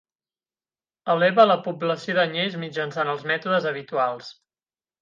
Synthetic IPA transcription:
əlɛβələpubləsioðəɲejzmid͡ʒənsanəlˠzmɛt̪uðəzəβ̞it̪ualˠs

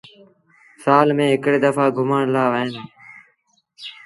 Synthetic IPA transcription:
saːlmẽːɦɪkɽeːd̪əfaːɡʱʊməɳlaːʋəɦenː

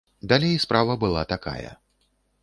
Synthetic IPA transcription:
d̪alʲejspɾʔavɐbɨlˠa̰t̪aka̰jɐ̰

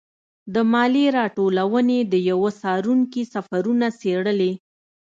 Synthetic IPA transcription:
d̪əmɑliɾɑʈolawəned̪əjawəsɑɾuŋkisafaɾunaseɽəle

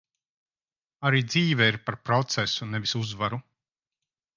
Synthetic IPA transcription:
aɾiːd̪ziːvɛiɾpaɾpɾɔt̪sɛsunɛvisuzvaɾu

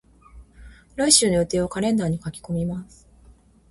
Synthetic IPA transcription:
ɾaiɕɨːnoɯ̟t̪e̞ːokaɾẽ̞nd̪aːɲ̟ikakʲi̥ko̞mʲimasɨ̥

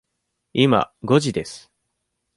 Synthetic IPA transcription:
ima̰ɡo̞ʑid̪e̞sɨ̥

